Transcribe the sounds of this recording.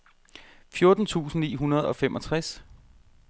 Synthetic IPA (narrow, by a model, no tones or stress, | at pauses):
fjo̝ɐd̥n̩t͡sʰṵːsn̩nḭːɦunɐð̞ˠɒ̽femʔɒ̽t͡sʰʁas